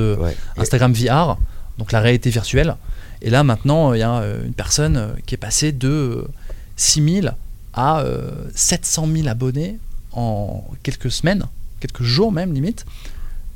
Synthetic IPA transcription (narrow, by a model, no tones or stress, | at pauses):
əɛ̰ɛ̰̃st̪aɡʁamviaʁd̪ɔ̃klaʁealit̪eviʁt̪ɥɛlḛlamɛ̃t̪nɑ̃øijaø̰y̰npɛʁsɔnø̰kʲiɛpased̪əø | simil | ʔaø̰sɛt̪sɑ̃milabɔneɑ̃kʲɛlkəsəmɛnkʲɛlkəʒuʁmɛmlimit̪